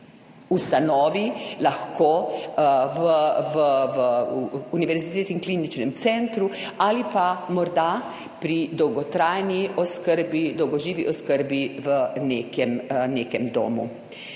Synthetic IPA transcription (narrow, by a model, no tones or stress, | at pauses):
ust̪anɔːʋilaxko | ʋəʋəʋəuniʋɛɾzit̪eːt̪iŋklinit͡ʃnɛmt̪sɛnt̪ɾualipamɔɾd̪a | pɾid̪ɔwɡɔt̪ɾajniɔskəɾbid̪ɔwɡɔʒiːʋiʔɔskəɾbiʋəneːkɛmneːkɛmd̪o̰ːmṵ